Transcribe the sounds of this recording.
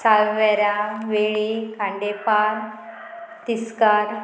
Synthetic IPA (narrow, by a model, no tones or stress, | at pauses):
saʋʋɛɾaʋeɭikãɳɖepaɾ | t̪iskaɾ